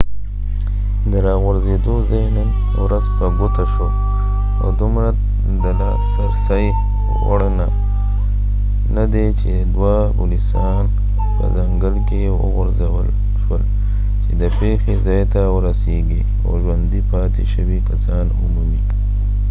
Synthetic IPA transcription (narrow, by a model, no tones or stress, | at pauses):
d̪əɾɑɣʊɾzed̪ozajnən | wɾazpəɡut̪aʃwo | o̰d̪umɾa | d̪əla | saɾsaj | wa̰ɽana | nad̪et͡ʃe | d̪wa | bṵlisɑ | n | pə̰zaŋɡəlke | wə̰ɣʊɾzawəl | ʃwəl | t͡ʃed̪əpexezɑjt̪awəɾaseɡi | a̰wʒwand̪ipɑt̪eʃəwikasɑnṵmumi